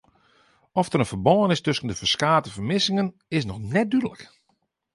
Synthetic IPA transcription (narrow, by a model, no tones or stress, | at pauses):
ɔfdərənvərbɔːənɪstɵsəndəfərskaːtəvərmɪsɪŋən | ɪsnɔxnɛt̚dydələ̰k